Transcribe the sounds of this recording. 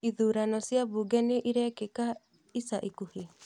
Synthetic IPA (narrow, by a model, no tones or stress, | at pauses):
iðuːɾanɔsiaβuɡɛneʔiɾɛːkeka | isaʔikuhi